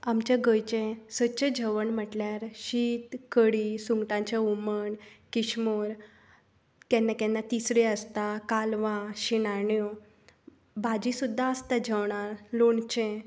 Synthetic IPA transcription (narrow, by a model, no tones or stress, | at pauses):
amt͡ɕjaɡəjt͡ɕẽsəɕed͡ʑʱəʋəɳm̤əʈljaɾɕiːt̪kəɽisuŋɡʈãɲt͡ɕauməɳkiɕmoɾ | kɛ̃nːakɛ̃nːat̪isɾeəst̪akalʋãɕinaɳjɔ | bad͡ʑisud̪ʱːaəst̪ad͡ʑʱəʋɳaɾloɳt͡ɕẽ